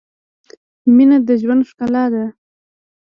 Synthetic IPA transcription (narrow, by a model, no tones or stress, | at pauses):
minad̪əʒwand̪ʂkalɑd̪a